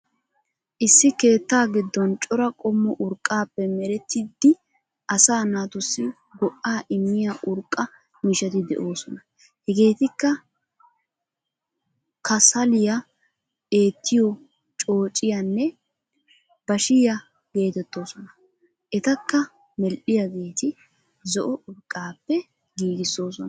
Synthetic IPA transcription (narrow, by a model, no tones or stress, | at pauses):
ʔɪsːɪke̞ːt̪ːaːɡɪd̪ːɔnt͡ʃʼɔɾɐkʼɔmːɔʔʊɾkʼːaːpːɛmɛɾɛt̪ːɪd̪ːɪ | ʔɐsaːnaːt̪ʊsːɪ | ɡɔʔaːʔɪmːɪjaʔʊɾkʼːɐ | mɪʃɐt̪ɪd̪ɛ̰ʔo̞ːsɔnɐ | hɛɡe̞ːt̪ɪkːɐ | kɐsɐlɪjɐ | e̞ːt̪ːɪjɔ | t͡ʃʼo̞ːt͡ʃʼːɪjanːɛ | b̥ɐʃɪjɐ | ɡ̥e̞ːt̪ɛt̪ːo̞ːsɔnɐ | ʔɛt̪ɐkːɐ | mɛlʔɪjɐɡe̞ːt̪ɪ | zɔʔɔʔʊɾkʼːaːpːɛ | ɡiːɡɪsːo̞ːsɔn